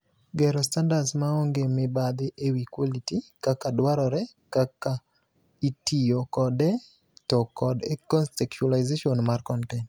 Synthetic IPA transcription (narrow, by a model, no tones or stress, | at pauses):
ɡɛɾɔstandadsmaoŋɡemɪbad̪ɪʔewikwolitikakadwaɾɔɾɛ | kaka | itijokɔdɛ | tɔkɔdekɔnsɛkt͡ʃualajzeʃɔnmarkɔntɛn